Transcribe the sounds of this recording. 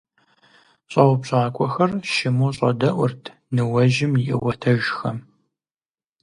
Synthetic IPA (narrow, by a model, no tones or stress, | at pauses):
ɕʼɐwpɕʼaːkʷʰʼɔxɐrʃɪmuːɕʼɐ̰dɐʔʷʊrtʰ | nɨwɐʒɪmjɪʔɪ̰wɐtʰɐʒxɐm